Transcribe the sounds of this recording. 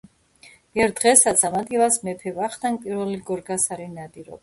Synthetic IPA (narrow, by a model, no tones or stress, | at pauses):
ɛɾd̪ʁɛsat̪sʰamad̪ʼilasmɛpʰɛvaχt̪ʰanpʼiɾvɛliɡɔɾɡasaɾinad̪iɾɔ̰b